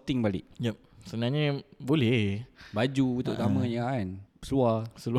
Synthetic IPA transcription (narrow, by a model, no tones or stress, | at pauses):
t̪ɪŋbalɪ̰ʔjəp̚sənaɲəbolɛhbad͡ʒuut̪ʊ̰ʔt̪amə̃ɲaansəluasəlu